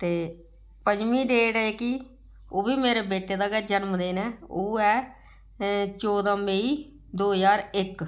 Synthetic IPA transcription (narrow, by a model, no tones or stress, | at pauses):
t̪eː | pəd͡ʒmiːɖeːɽeːki | oːbiːmeːɾeːbeːʈeːd̪aːɡɛd͡ʒənmd̪eːnɛːoːɛː | t͡ʃɔːd̪ãːmeːiː | d̪oːɦzaːɾɪk